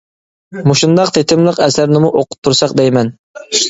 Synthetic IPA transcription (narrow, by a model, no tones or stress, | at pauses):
muʃund̪ɑq̚t̪ʰet̪ʰɪmlˠəqɛsæɾnɪmuʔoqʰʊ̥p̚t̪ʰːuɾsɑqd̪ɛjmɛn